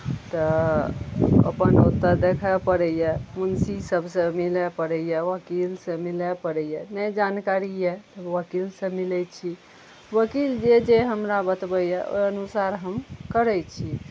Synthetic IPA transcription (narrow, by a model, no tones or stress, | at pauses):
t̪ə | ə̰pənṵt̪ːəɾd̪ekʰəpəɾɛjjɛmunsisəbʱsə̃milɛpəɾɛjjɛʋəkilsə̃milɛpəɾɛjɛnəd͡ʒankaɾijɛʋəkilsə̃milɛt͡ʃʰi | ʋəkild͡ʒed͡ʒeɦəmɾabət̪bəjɛʔo̰jənusaɾɦəmkəɾɛt͡ʃʰi